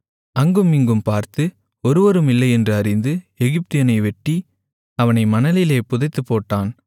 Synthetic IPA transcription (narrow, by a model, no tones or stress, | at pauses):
ɐŋɡɯmiŋɡɯmpaːɾt̪ɯ | ɔɾɯʋɐɾɯmɪlːɐɪɛndrɯɐɾɪnd̪ɯɛɣɪp̚t̪ɪjɐnɐɪʋɛʈːi | ɐʋɐnɐɪmɐnɐlɪleːpʊðɐɪt̪ːɯpːoːʈːaːn